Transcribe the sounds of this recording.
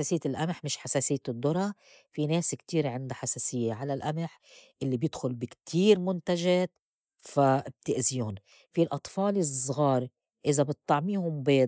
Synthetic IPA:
eːsɪjːɪlʔamħmɪʃħaseːsɪjːd̪ːʊɾˤɑ | fineːskt̪iːɾʕɪnd̪aħasaːsɪjːeʕalalʔamɪħ | ʔɪlːibjɪd̪xʊlbɪkt̪ʰiːɾmʊnt̪aʒeːt̪ | fab̚t̪ɪʔziːhʊn | filʔɑt̪ˤfɑːlɪsˤɣɑːɾ | ʔɪzabɪt̪ˤːɑʕmiːhʊmbeː

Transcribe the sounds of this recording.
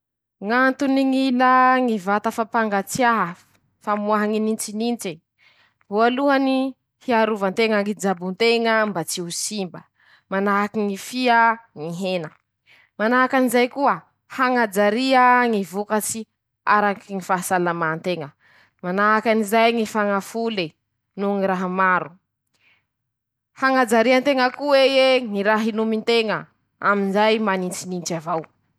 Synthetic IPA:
ŋant̪uniŋinaŋivat̪əfapaŋɡat͡siaɦə | famuaɦaŋinint͡ʃinint͡ʃi | ɦualuani | hiaɾuvant̪eŋaŋid͡ʒabunt̪eŋəmbat͡siusimbə | manaɦakiŋifiəŋiɦenə | manaɦakanizajkuə | haŋad͡zaɾiəŋivukat͡si | a̰ɾakiŋifaɦasalamant̪eŋə | manaɦakanizajŋifaŋafuli | nuŋiɾaɦamaɾu | haŋad͡zaɾiant̪eŋəkuwejeŋiɾaɦinumint̪eŋə | a̰minzajmanint͡sinint͡ʃavaw

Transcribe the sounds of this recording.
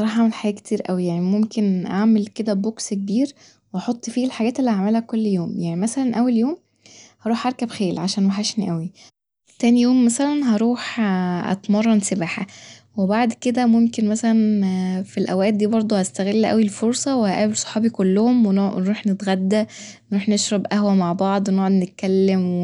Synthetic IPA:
ɑˤɑːħʔʕamelħaɡæːʔke̥t̪ʰiːɾʔæwijaʕnimomkenʔaʕmelked̪æbokskebiːɾ | weʔɑħot̪ˤːfiːelħaɡæːt̪elːihaʕmelhækːolːjoːmjaʕnimæsælænʔæwːæljoːm | hɑɾˤuːħʔɑɾˤkæbxeːlʕaʃæːnwæħæʃniʔæwi | t̪æːnijoːmːæsælænɦɑɾˤuːħʔæ̰t̪mɑrˤːɑnsebaːħæ̰ | webaʕd̪ked̪æmomkenmæsælænfilʔæwæːʔt̪̚d̪iːbɑɾˤd̪ˤohæst̪æɣelːʔæ̰wilfoɾˤsˤɑwehæʔæːbelsˤɑ̥ħɑːbikolːohomwennɾuːħnet̪ɣæd̪ːænɾuːħneʃɾˤɑbʔæhwæmaʕbɑʕd̪ˤwenoʕod̪net̪̚kælːemw

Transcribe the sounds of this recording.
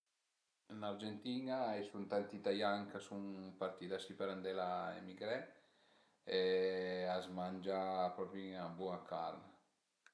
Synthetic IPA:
naɾd͡ʒent̪iːnaɛsunt̪ant̪it̪ajaŋkasuŋpaɾt̪id̪asipəɾand̪ɛlaḛmiɡɾɛ | e | azmand͡ʒapɾɔpɾiŋabuakʰa̰ɾna

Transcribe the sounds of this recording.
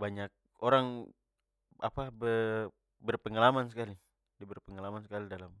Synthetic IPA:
baɲak̚ | oɾaŋ | apabə | bərpəŋalamans̬əkali | dibərpəŋalamansəkalidalam

